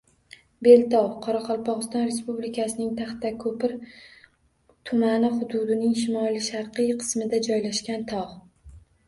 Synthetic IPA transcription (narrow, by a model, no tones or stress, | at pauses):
be̞lt̪ʰɒwqʰɒɾɑqʰɒlˠpʰɒʁɨst̪ɒnɾe̞spublɪkʲʰasɪnɪŋt̪ʰaχt̪akʰɵpɪɾ | t̪ʰʊmanɪχʊd̪ʊd̪ɪnɪŋʃɪmɒlˠɪʃaɾqɨjqʰɨ̥smɪd̪ad͡ʒɒjlaʃkʲant̪ʰɒʁ